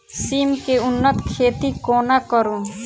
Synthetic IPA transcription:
siːmkeʊnːət̪kʰeːt̪ikoːnakəɾũː

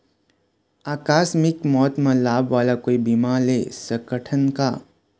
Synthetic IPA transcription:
aːkaːsmɪkmɔːt̪mãlaːbʋaːlakoːibimalesəkəʈʰənka̰

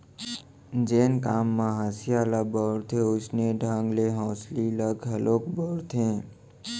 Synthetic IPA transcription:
d͡ʒenkamːãɦəsijalabəɾt̪ʰeut͡ʃneɖʱãŋɡleɦɔ̃sliləɡɦəlokbəɽt̪ʰẽ

